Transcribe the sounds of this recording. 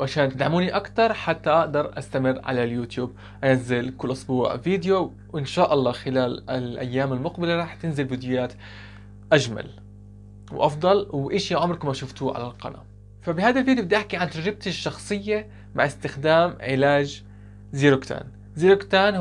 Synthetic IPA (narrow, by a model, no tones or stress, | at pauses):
ʕaʃaːnt̪ɪd̪ʕamuːniʔakt̪ɑɾˤħat̪ːaʔaʔd̪ɑɾˤʔast̪amɪrːʕa̰laljuːt̪juːb̚ | ʔanazːɪlkʊlːʔʊsˤbuːʕɪ̰viːd̪ɪjo | ʔɪnʃaːʔɑlˤːɑːxɪlaːlɪlʔa̰jːaːmalmʊqbɪlaɾˤɑːħt̪ɪnzɪlviːd̪jʊjaːt̪ | ʔaʒma̰l | wʔɑfd̪ˤɑlwʔɪʃiaʕʊmɾkʊmaʃʊft̪uːʕa̰la̰lqɑ̰na̰ | fabɪhaːd̪alviːd̪jobɪd̪ʔaħkiʕant̪aʒɾɪb̚t̪ɪʃːɑxsˤɨjːa | ma̰ʕʔɪst̪ɪxd̪aːmʕɪlaːd͡ʒ | ziːɾʊkt̪ʰa̰ːn | ziːɾʊkt̪aːn